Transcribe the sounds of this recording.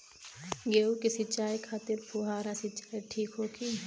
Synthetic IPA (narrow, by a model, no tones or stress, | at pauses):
ɡeːukisɪt͡ʃaːikʰaːt̪ɪɾpʰuɦaːɾasɪt͡ʃaːiʈʰiːkɦoːkʰi